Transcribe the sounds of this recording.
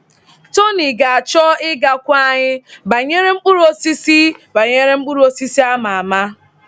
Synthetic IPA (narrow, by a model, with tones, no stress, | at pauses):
to˦ni˨ɡa˨a˨t͡ʃɔ˦ɪ˦ɡa˨kʷa˦ɲɪ˦ba˨ɲe˦ɾe˦ŋ͡m̩˦k͡pu˦ɾu˦o˦si˦si˦ba˨ɲe˦ɾe˦ŋ͡m̩˦k͡pu˦ɾu˦o˦si˦si˦a˦ma˨a˨ma˦